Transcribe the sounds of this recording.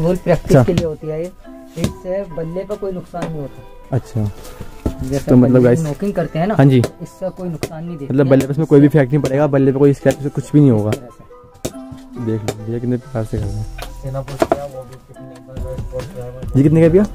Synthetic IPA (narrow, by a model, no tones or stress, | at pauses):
buːlpɾɛːk̚ʈɪʃʰsakelieɦoːt̪iaːi | ɪssebɐlːepɐɾkoːinʊksaːnːɐɦĩɦoːt̪aɛ | ɐtːʃʰa | d͡ʒɛsomɐt̪ləbɡaːɪmoːkɪ̃ŋɡkɐɾt̪eɦɛ̃naːɦãːd͡ʒiːɪsːekoːinʊksaːnːɦĩd̪eːkmɐt̪ləbbɐlːepɐɪs̬mẽkoːibʱipʰɛːk̚ʈnɐɦĩpɐɽeːɡabɐlːepɐɾkoːiɪskɛːpkesekʊt͡ʃʰbʱinɐɦĩɦoːɡaː | d̪eːkʰlebijakɪt̪nẽpɪkaːɾsekɐɾeenaboːt͡ʃaʋobʱikɪt̪naooːɾad͡ʒiːkɪt̪nekaːbijaː